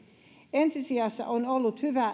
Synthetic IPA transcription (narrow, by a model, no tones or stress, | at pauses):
ensisiɑsːɑ̰ʔonolːut̪hyʋæ